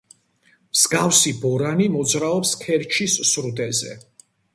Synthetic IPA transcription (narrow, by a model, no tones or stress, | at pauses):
mz̥ɡafsibɔɾanimɔd̪zɾaɔpskʰɛɾt͡ʃʰisːɾud̪ɛzɛ̰